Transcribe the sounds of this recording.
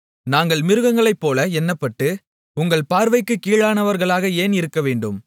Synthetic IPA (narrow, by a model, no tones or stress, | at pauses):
naːŋɡɐɭmɪɾɯɣɐŋɡɐɭɐɪpːoːlɐɛnːɐpːɐʈːɯ | ʊŋɡɐɭpaːɾʋɐɪkːɯkiːɻaːnɐʋɐɾɣɐɭaːɣɐeːnɪɾɯkːɐʋeːɳɖɯm